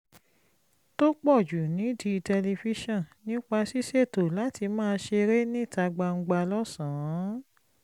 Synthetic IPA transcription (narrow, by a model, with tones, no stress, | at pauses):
to˦k͡pɔ˦˨d͡ʒu˨nĩ˨˦di˧tɛ˧le˧fi˧˦ʃɔ̃˦˨nĩ˦k͡pa˧si˦se˦˨to˨la˨˦ti˧mãː˦˧˦ʃe˧ɾe˦nĩ˦˨ta˧ɡ͡ba˧ŋ̩˧ɡ͡ba˧lɔ˦sã˨˦